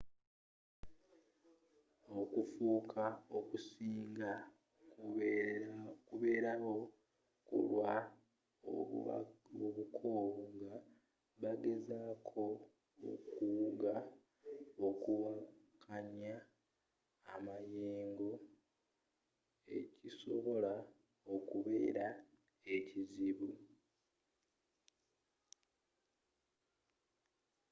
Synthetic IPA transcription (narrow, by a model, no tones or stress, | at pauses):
o̞kufuːkʰaokusiːŋɡa | kuβe̞ːɾaɣo̞ | kṵlwa | oβukʰo̞ːβoŋɡa | βaɡe̞zaːkʰo̞̰ː | kuwuɡa | okuwakʰaɲaː | majeːŋɡo̞ | ḛciso̞βo̞la | okuβe̞ːɾa | e̞ciziβu